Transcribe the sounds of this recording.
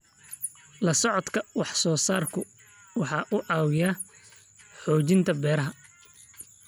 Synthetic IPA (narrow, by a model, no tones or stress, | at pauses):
lɐsɔʕɔd̪kʰɐwɑħsɔːsaːrkʰʊ | wɑħɑːʔʊʔɑːwɪja | ħɔːt͡ʃɪnt̪ʰɐbɛːɾɐɦɐ